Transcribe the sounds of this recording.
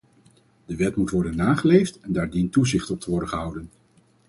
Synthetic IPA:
d̥əʋɛtmutʋɔɹdənːaːχəlejftɛndaːɹdintːuzɪχtɔp̚tʰəʋɔɹdənχəɦʌwdən

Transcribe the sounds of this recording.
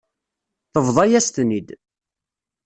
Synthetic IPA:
θəvðˤɑjæst̪nid̪

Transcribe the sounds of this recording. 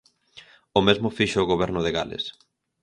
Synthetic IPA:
ʊmezmʊfiʃʊːɣoβɛɾnʊðɪɣa̰lḛs

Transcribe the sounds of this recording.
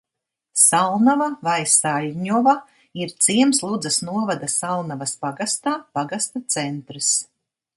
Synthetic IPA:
salˠnavavajsaʎʲɲɔva | iɾt̪siɛmslˠud̪zɐsnuɔvad̪asalˠnavaspaɡast̪aːpaɡast̪at̪sɛnt̪ɾɨs

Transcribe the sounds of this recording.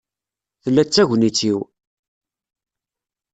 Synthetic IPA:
θəlːæt͡sːæʝʷnit͡sːiw

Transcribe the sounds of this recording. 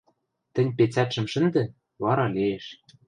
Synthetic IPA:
t̪ɘ̆nʲpet͡sæt̪ʃɘ̆mʃɘ̆nd̪ɘ̆ | βɑɾɑlʲeeʃ

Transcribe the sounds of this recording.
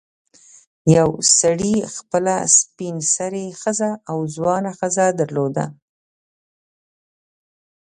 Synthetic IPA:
jawsaɽixpəla̰spinsaɾexəzaːwzwɑnaxəzad̪aɾlod̪a̰

